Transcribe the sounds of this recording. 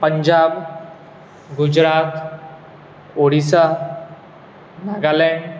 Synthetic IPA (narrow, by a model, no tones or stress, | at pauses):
pəɲd͡ʑab | ɡud͡ʑɾat̪ | oɽisa | naɡalɛeɳɖ